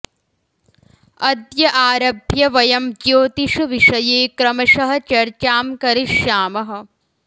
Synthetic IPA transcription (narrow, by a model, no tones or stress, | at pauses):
ɐd̪jɐʔaːɾɐbʱjɐʋɐjɐmd͡ʒjoːt̪iʂuʋiʂɐjeːkɾɐmɐʂɐɦɐ̆t͡ʃɐɾt͡ʃaːmkɐɾiʂjaːmɐɦɐ̆